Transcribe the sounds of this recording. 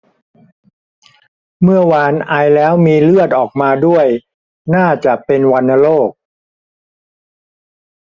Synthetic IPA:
mɯ˥˩ɐwaː˧nʔa˧jlɛː˦˥wmiː˧lɯ˥˩ət̪̚ʔɔː˨˩k̚maː˧du˥˩əj | naː˥˩t͡ɕa˨˩ʔpe˧nwa˧nːa˧loː˥˩k̚

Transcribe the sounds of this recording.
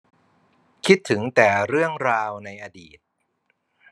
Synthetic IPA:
kʰi˦˥t̪ʰːɯ˩˦ŋt̪ɛː˨˩ɾɯ˥˩əŋɾaː˧wna˧jʔa˧diː˨˩t̪̚

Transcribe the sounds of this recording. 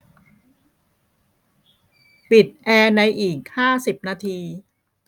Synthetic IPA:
pi˨˩t̪̚ʔɛː˧na˧jʔiː˨˩k̚haː˥˩si˨˩p̚naː˧t̪ʰiː˧

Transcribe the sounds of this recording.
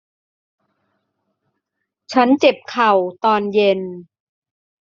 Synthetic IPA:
t͡ɕʰa˦˥nt͡ɕe˨˩p̚kʰa˨˩wt̪ɔː˧nje˧n

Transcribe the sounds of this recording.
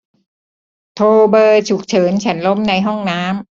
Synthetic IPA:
t̪ʰoː˧bɤː˧t͡ɕʰu˨˩k̚t͡ɕʰɤː˩˦nt͡ɕʰa˦˥nlo˦˥mna˧jɦɔ˥˩ŋnaː˦˥m

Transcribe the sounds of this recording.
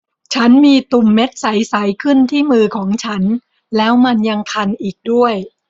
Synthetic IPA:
t͡ɕʰa˦˥nmiː˧t̪u˨˩mːe˦˥t̪̚sa˩˦jsa˩˦jkʰɯ˥˩nt̪ʰiː˥˩mɯː˧kʰɔː˩˦ŋt͡ɕʰa˦˥n | lɛː˦˥wma˧nja˧ŋkʰa˧nʔiː˨˩k̚du˥˩əj

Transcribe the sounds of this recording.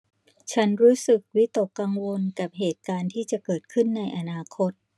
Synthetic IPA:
t͡ɕʰa˦˥nɾuː˦˥sɯ˨˩k̚wi˦˥t̪o˨˩kːa˧ŋwo˧nka˨˩p̚ɦeː˨˩t̪̚kaː˧nt̪ʰiː˥˩t͡ɕa˨˩kɤː˨˩t̪̚kʰɯ˥˩nːa˧jʔa˧naː˧kʰo˦˥t̪̚

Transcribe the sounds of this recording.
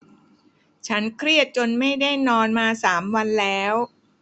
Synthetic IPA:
t͡ɕʰa˦˥nkʰɾi˥˩ət̪̚t͡ɕo˧nma˥˩jda˥˩jnɔː˧nmaː˧saː˩˦mwa˧nlɛː˦˥w

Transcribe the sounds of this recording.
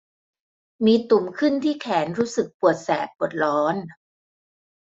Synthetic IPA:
miː˧t̪u˨˩mkʰɯ˥˩nt̪ʰiː˥˩kʰɛː˩˦nɾuː˦˥sɯ˨˩k̚pu˨˩ət̪̚sɛː˨˩t̪̚bu˨˩ə˩t̪̚lɔː˦˥n

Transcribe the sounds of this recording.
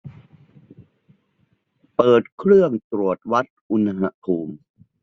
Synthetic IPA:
pɤː˨˩t̪̚kʰɾɯ˥˩əŋt̪ɾu˨˩ət̪̚wa˦˥t̪̚ʔu˧na˧ɦa˧˥pʰuː˧m

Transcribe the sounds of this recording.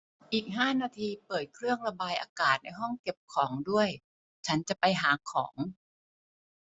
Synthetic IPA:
ʔiː˨˩k̚ɦaː˥˩naː˧t̪ʰiː˧pɤː˨˩t̪̚kʰɾɯ˥˩əŋɾa˧baː˧jʔa̰ː˧kaː˨˩t̪̚na˧jɦɔ˥˩ŋke˨˩p̚kʰɔː˩˦ŋdu˥˩əj | t͡ɕʰa˦˥nt͡ɕa˨˩ʔpa˧jɦaː˩˦kʰɔ̰ː˩˦ŋ

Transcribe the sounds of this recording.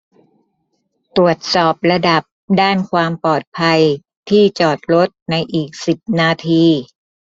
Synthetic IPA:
t̪u˨˩ət̪̚sɔː˨˩p̚ɾa˧da˨˩p̚daː˥˩nkʰwaː˧mpɔː˨˩t̪̚pʰa˧j | t̪ʰiː˥˩t͡ɕɔː˨˩t̪̚ɾo˦˥t̪̚na˧jʔiː˨˩k̚si˨˩p̚naː˧t̪ʰiː˧

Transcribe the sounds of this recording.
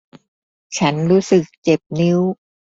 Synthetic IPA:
t͡ɕʰa˦˥nɾuː˦˥sɯ˨˩k̚t͡ɕe˨˩p̚ni˦˥w

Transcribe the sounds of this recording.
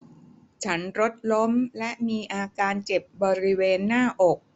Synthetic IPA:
t͡ɕʰa˦˥nɾo˦˥t̪̚lo˦˥mlɛ˦˥ʔmiː˧ʔaː˧kaː˧nt͡ɕe˨˩p̚bɔː˧ɾi˦˥weː˧nːaː˥˩ʔɔ˨˩k̚

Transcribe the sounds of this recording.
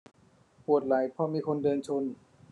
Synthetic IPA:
pʰu˨˩ət̪̚la˩˦jpʰɔː˧˥miː˧kʰo˧ndɤː˧nt͡ɕʰo˧˥n

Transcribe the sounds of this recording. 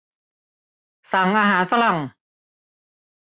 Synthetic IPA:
sa˨˩˦ŋʔaː˧ɦaː˩˦nsa˧la˨˩ŋ

